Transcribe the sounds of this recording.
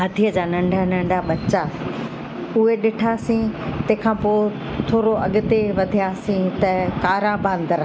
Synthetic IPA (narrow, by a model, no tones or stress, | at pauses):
ɦɐd̪ʱiəd͡ʑaːnɐ̃ɳɖʱanɐ̃ɳɖʱaɓɐt͡ɕa | ʊɦeɗɪʈʰaːsĩt̪ɐ̃ɦkʰãːpoː | t̪ʰoːɾoɐ̰ɠʊt̪eʋɐd̪ʱijaːsĩt̪ɐkaːɾabãːnd̪əɾ